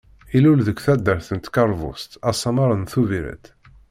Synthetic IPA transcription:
ilulðəkʷːθæd̪ːəɾθənt̪kɑɾˤvʊ̰st̪æsˤːɑmɑɾˤənθuviɾæ̰t̪

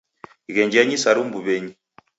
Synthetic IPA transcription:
iɣɛɲd͡ʒaɲisaɾumbuβɛɲi

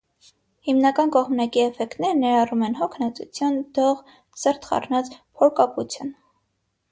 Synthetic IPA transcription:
himnɑkɑnkɔʁmnɑkiɛfɛkt̪nɛɾnɛɾɑrumɛnɦɔkʰnɑt͡sṵt͡sʰjund̪̥ɔʁ | səɾt̪ʰχɑ̰rnɑt͡spʰɔɾkɑput͡sʰjun

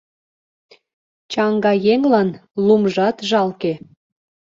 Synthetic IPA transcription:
t͡ɕɑŋɡɑjeŋlɑnlumʒɑt̪ʒɑlke

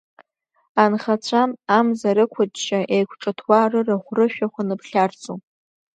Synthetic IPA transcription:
anχat͡ɕʷʰamamzaɾɨkʷʰʊdʃaʔejkʷʰʈ͡ʂʼatʰwarɨraχʷrɨʃᶣaχʷanɨpʰχʲart͡sʰʼu

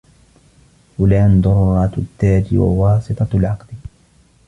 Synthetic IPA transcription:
fʊlaːnd̪ˤʊɾˤɾˤɑːt̪t̪ːaːd͡ʒḭwa̰wɑːsˤɨt̪ˤɑlʕɑqd̪

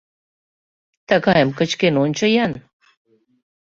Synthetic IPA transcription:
t̪akajəmkət͡ɕkenonʲt͡ɕəjan

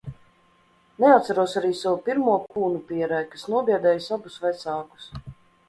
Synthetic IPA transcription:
nɛat̪saɾuɔsaɾiːsavupʲiɾmuɔkuːnupʲiɛɾæjkasnuɔbʲiɛd̪ɛːjsabusvajt̪saːku̥s

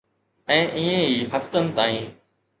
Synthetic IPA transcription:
ɛ̃ːʔĩːẽɦiːɦɐft̪ənɪ̆t̪aːĩː

